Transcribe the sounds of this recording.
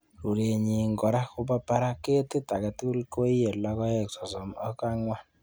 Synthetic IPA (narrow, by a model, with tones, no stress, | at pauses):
ɾu˨ɾe˨ɲi˨ŋɡɔ˨ɾa˦ku˦pa˦pa˦ɾa˦ke˦tɪ˦ta˨ka˨ti˦u˦lko˦i˦e˨lɔ˦kɔ˦ɛ˦˨ksɔ˨sɔ˨mɔ˦ka˦ŋwa˦n